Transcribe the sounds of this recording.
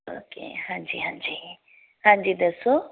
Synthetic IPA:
o̰kḛhãːɲd͡ʑiɦãɲd͡ʑi | hãːɲd͡ʑid̪ɐso

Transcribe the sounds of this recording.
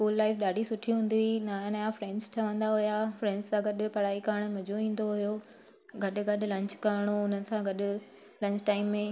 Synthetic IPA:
skuːlːaːɪfɗaːɖʱisʊʈʰiuɦũːnd̪iinaːjnajãfɾɛ̃ːɳɖsʈʰɐʋə̃nd̪aɦʊjafɾɛ̃ːɳɖzsãɡɐɗ̆pɐɽ̤aːikaːɽ̃mɐd͡ʑʱoʋĩːn̆d̪oɦʊjo | ɡɐɗʊ̆ɡɐɗʊlɐ̃ɲt͡ɕkaːɾɽ̃oʊn̤ənɪ̆sãɡɐɗʊ̆ | lɐ̃ɲt͡ɕʈaːɪmːẽ

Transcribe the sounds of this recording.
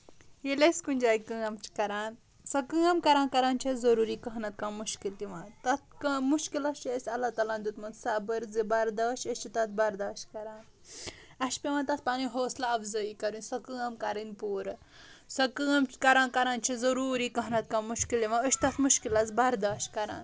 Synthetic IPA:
jeleskunʲd͡ʒaːjikəːɐmt͡ʃʰi̥kɐɾaːn | sɐkɨɐmkɐɾaːnkɐɾaːnt͡ʃʰezɐɾuːɾiːkɐɦnɐt̪̚kamuʃkilt̪iʋat̪ɐt̪̚kɐmuʃkilɐst͡ʃiəsʲɐlːat̪aːlaːnd̪ut̪mɐnd̪sabɐɾzibɐɾd̪aːʃɐst͡ʃit̪ɐt̪̚ʰbɐɾd̪aːʃtkɐɾaːn | ɐʃpʲeʋãːnt̪ɐt̪ʰpaniɦoːslaɐfzəikɐɾinʲsɐkɨɐmkɐɾinpuːɾ | sɐkɨːɐmt͡ʃkɐɾaːnkɐɾaːnt͡ʃʰezɐɾuːɾiːkɐɦnɐt̪̚kaːmuʃkilt̪iʋãəʃt̪ɐt̪ʰmuʃkilɐt͡sbɐɾd̪aːʃkɐɾa̰ːn

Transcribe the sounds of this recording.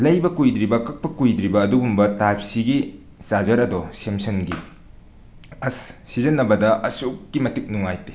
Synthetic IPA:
lɐjbɐkujd̪ɾibɐkɐk̚pɐkujd̪ɾibɐːduɡumbɐtajp̚siɡi | sazɐɾɐdɔsemsʰɐnɡi | ɐsːizɐnːɐbɐdɐɐsukːimɐtik̚nuŋajte̥

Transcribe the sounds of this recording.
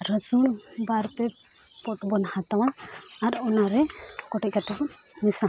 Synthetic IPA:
ɾəd͡ʒun | baɾpɛpɔʈbɔnhat̪awaːɾɔnaɾɛkɔʈɛc̚kat̪aɦumisa

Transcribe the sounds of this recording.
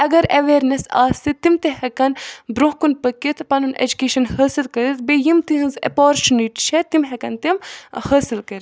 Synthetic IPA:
ɐɡɐɾɐʋeːɾnesa̰ːst̪it̪imt̪ehɐkɐnbɾoɦkunpɐkːit̪ʰpɐnunʔḛd͡ʒukeːʃɐnhɐːsilkɐɾit̪bejimt̪iɦɐ̃nzɐ̰poːɾt͡ʃuniʈt͡ʃʰet̪imɦɐkɐnt̪imhɐːsilkɐɾi

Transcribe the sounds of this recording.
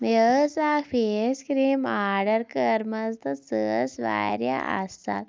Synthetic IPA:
jəsafeskɾiːmaɾɖəɾkəɾməst̪ət͡səsʋa̰jɾja̰ə̰st̪a̰t̪

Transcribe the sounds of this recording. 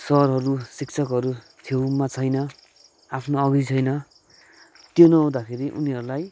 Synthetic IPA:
sʌrɦʌɾusikt͡sʰʌkɦʌɾu | t̪ʰjowmat͡sʰʌjnʌ | apʰnoʌɡit͡sʰʌjnʌ | t̪jonʌaw̃d̪akʰeɾiʔṵniʌɾulaj

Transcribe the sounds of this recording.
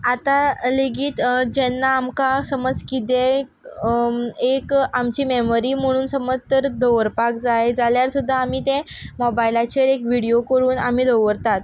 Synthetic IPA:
at̪aleɡiːt̪d͡ʑɛnːaːmkasəməd͡zkit̪e | ekamt͡ɕiːmemoɾiːm̤əɽ̃uːnsəməd͡zt̪əɾd̪oʋəɾpak̚d͡zajd͡zaljaɾsud̪ʱːaːm̤iːt̪ẽ | mɔbajilat͡ɕeɾekʋiɽijokəɾuːnam̤iːd̪əʋəɾt̪at̪

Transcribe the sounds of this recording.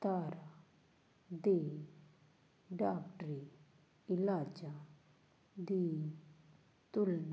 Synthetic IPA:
t̪aːɾa | d̪eː | ɖaːkʈɾi | ɪlaːd͡ʒa | d̪iː | t̪ʊln

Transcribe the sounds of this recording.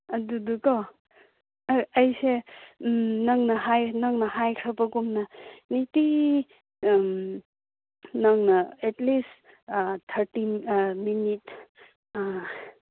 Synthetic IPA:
ɐdudukɔ | ɐjse | nɐŋnɐɦajnɐŋnɐɦajkʰɐpɐkumnɐniti | nɐŋnɐetlis | t̪ʰɐɾtiminit

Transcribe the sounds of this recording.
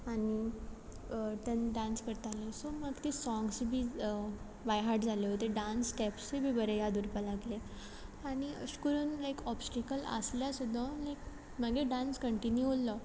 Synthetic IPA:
aɽi | t̪ənɖãnskəɾt̪alesoməɡt̪esɔ̃ŋɡsbʱiː | ʋajɦaɾʈd͡zʱaleɦot̪eɖãnsʈɛpst͡ɕebʱiːbəɾejad̪uɾpalaɡle | aɽ̃iə̰ɕkəɾuːnlajkɔpsʈekələ̰sljasud̪ʱːəlajk | məɡeɖãnskəɳʈinjulɔ

